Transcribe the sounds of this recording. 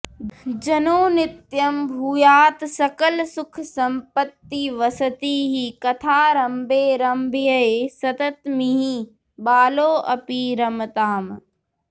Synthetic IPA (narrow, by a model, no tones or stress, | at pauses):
d͡ʒɐnoːnɪt̪jɐmbʱuːjaːt̪sɐkəlsʊkʰsɐ̃mpət̪ːiʋɐsɐt̪iɦikɐt̪ʰaːɾɐmbʱeːɾɐmbʱijɐeːsɐt̪ɐt̪miɦi | baːloːʔɐpiɾɐmt̪aːm